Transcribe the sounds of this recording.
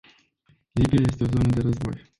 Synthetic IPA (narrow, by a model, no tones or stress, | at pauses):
libijaje̞s̬t̪eozonəd̪eɾəzbo̞̰j